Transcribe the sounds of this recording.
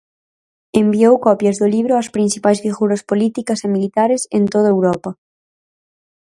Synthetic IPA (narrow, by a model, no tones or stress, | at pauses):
embiowkɔpjɐzðʊliβɾʊɐspɾin̟θipajzβiɣuɾɐspolit̪ikɐsemilit̪aɾesent̪oð̞ɐewɾɔpɐ